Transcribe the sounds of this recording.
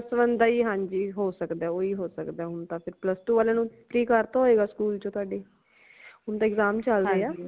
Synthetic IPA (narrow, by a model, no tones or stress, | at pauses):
sʋənd̪aːiːɦãːɲd͡ʒiːɦoːsəkd̪aːoːiːɦoːsəkd̪aːʊnt̪ãːpʰɪɾpləst̪uːʋaːlãːnũːp̪ɾiːkəɾt̪aːɦoːeːɡaːskuːlt͡ʃõːt̪ʊaːɖeː | ʊnt̪ãːɪkzaːmt͡ʃəldeːaː